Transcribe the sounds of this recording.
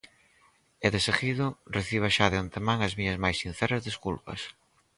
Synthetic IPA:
eðeseɣiðʊreθiβ̞aʃaðeant̪emãŋɐzmiɲɐzmajsːin̟θɛɾɐzðeskulpɐ̰s

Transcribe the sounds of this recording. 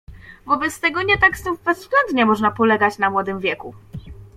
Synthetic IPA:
vɔbɛt̪st̪ɛɡɔɲɛt̪akst̪uvbɛzːɡlɛnd̪ɲɛmɔʐnapɔlɛɡat͡ɕnamwɔd̪ɘmvʲjɛku

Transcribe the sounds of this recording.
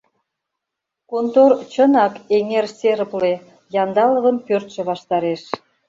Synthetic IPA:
kont̪ort͡ɕənɑkeŋerseɾəple | jɑnd̪ɑlə̆βənpørt̪ʃĕβɑʃt̪ɑɾeʃ

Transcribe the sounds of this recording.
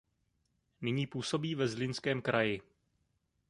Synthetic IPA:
nɪɲiːpuːso̞biːvɛzlɪnskɛːmkɾajɪ

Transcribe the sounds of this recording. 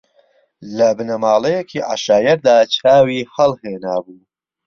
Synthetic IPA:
lɐbɨnɐmaːlɐjekʰiːʔa̰ʃaːjɐɾd̪aːt͡ʃʰaːwiːxɐlˠheːnaːbuː

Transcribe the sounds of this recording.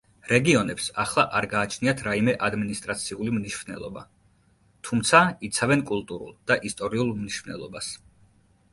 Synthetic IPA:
ɾɛɡiɔnɛpsaχlˠaʔaɾɡaːt͡ʃʰniat̪ʰɾaimɛʔad̪minist̪ʼɾat̪sʰiulimniʃvnɛ̰lˠɔba̰ | t̪ʰumt̪sʰait̪sʰavɛnkʼulˠt̪ʼuɾṵlˠd̪̥aʔist̪ʼɔɾiulˠmniʃvnɛ̰lˠɔbas

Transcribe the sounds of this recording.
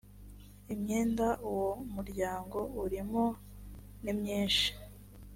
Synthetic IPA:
imɲeːndaʔuwomuɾɟaːŋɡo̞uɾimo | nimɲiːnʃi̥

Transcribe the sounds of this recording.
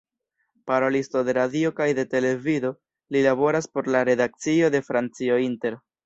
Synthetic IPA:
paɾo̞listo̞de̞ɾadio̞kajde̞te̞le̞vido̞ | lilabo̞ɾaspo̞ɾlaɾe̞dak̚t͡sio̞de̞fɾant͡sio̞inte̞ɾ

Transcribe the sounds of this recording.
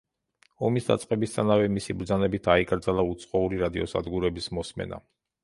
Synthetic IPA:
ɔmisd̪at̪sʼqʼɛbist̪ʰanavɛmisibɾd̪zanɛbit̪ʰaikʼɾd̪zalˠaut̪sʼqʼɔuɾiɾad̪iɔsa̰d̪ɡuɾɛbismɔsmɛ̰na̰

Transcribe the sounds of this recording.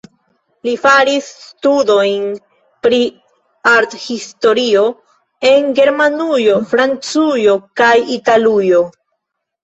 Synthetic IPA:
lifaɾisːtudo̞jn | pɾi | aɾthisto̞ɾio̞ | e̞nɡe̞ɾmanujo̞fɾant͡sujo̞kajitalujo̞

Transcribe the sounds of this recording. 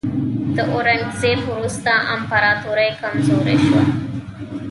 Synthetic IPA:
d̪əʔoɾaŋɡzefwɾust̪aʔampaɾɑt̪oɾajkamzoɾḛʃwa̰

